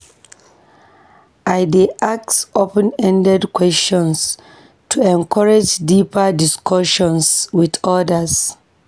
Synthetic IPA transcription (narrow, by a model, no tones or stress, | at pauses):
ʔajdeʔaksopɛ̃nɛ̃ndɛdkʰwɛstɔ̃ns | tʰuɛ̃nkʰɔɹɛd͡ʒdipədiskʰɔʃɔ̃nswiðɔdəs